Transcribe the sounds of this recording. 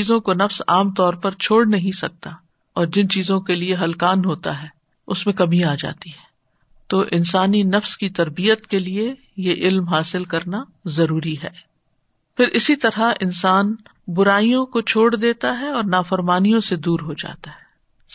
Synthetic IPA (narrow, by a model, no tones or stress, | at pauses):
iːzõkonɐfsaːmt̪ɔːɾpɐɾt͡ʃʰoːɽnɐɦĩsɐk̚t̪a | ɔːɾd͡ʒɪnt͡ʃiːzõkelieɦɐlkaːnɦoːt̪aɦɛː | ʊsmẽkɐmiaːd͡ʒa̰ːt̪iɦɛː | t̪oːʔɪnsaːninɐfskit̪ɐɾbiət̪kelie | jeʔɪlmɦaːsɪlkɐɾnazɐɾuːɾiɦɛː | fɪɾʔɪsit̪ɐɾɦaʔɪnsaːn | bʊɾaːijõkot͡ʃʰoːɽd̪eːt̪aɦɛɔːɾnaːfɐɾmaːnijõsed̪uːɾɦod͡ʒa̰ːt̪aɦɛː